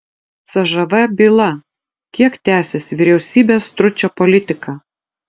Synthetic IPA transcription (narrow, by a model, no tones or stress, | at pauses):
t̪sɐʒɐʋɐbʲiːlˠɐ | kʲiɛkt̪ʲæːsʲesʲʋʲiɾʲɛʊsʲiːbʲeːst̪ɾʊt͡ʃʲoːpɔlʲɪt̪ʲɪkɑː